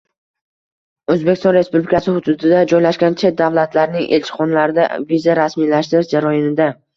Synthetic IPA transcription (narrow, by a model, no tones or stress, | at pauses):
ɵzbekʲɪst̪ɒ̃nɾe̞spublikʲʰasɪhʊd̪ʊd̪ɪd̪ad͡ʒɒjlaʃɡʲant͡ʃʰe̞t̪̚d̪avlˠat̪ʰlaɾɪnɪŋʔḛlʲt͡ʃʰɪ̥χɒnlaɾɪd̪a̰vizaɾasmijlaʃt̪ɪɾɪʃd͡ʒaɾɒjɪnɪd̪a